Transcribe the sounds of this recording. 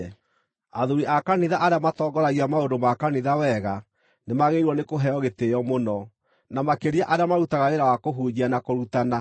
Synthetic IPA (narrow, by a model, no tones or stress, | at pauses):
aðuɾiʔakaniðaʔaɾeamatɔɡɔɾaɣiamaondomakaniðawɛɣa | nemaɣeiɾwɔnekoɦɛɔɣeteɔmonɔ | namakeɾiaʔaɾeamaɾutaɣaɾeɾawakoɦuɲianakoɾutana